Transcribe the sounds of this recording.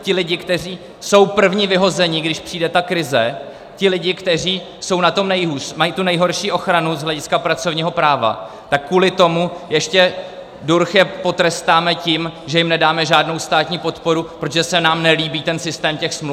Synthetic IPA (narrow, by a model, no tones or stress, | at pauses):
cɪlɪɟɪkt̪ɛr̝iː | so̞wpr̩vɲivɪɦo̞zɛɲɪɡdɪʃpr̥iːdɛt̪akɾɪzɛ | cɪlɪɟɪkt̪ɛriː | so̞wnat̪o̞mnɛjɦuːsmajit̪unɛjɦo̞ɾʃiːʔo̞xɾanuzɦlɛɟɪskapɾat͡so̞vɲiːɦo̞pɾaːva̰ | t̪akːuːlɪt̪o̞mujɛʃcɛ | duɾxjɛpo̞t̪ɾɛst̪aːmɛcimʒɛjɪmnɛdaːmɛʒaːdno̞wst̪aːt̪ɲiːpo̞t̪po̞ɾupɾot̪oʒɛsɛnaːmnɛliːbiːt̪ɛnsɪst̪ɛːmcɛxsml